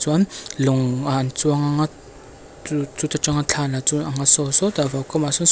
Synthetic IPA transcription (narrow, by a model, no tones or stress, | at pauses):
t͡suaniluŋanit͡suaŋaŋa | ut͡sut̪aʈ͡ʂaŋat͡ɬʰalauaŋasosod̪avakamasuns